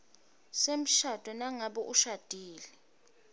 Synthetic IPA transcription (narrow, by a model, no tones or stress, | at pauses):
sem̩ʃad̥ʱɔnaŋaɓɔʔuʃad̥ʱiːlɛ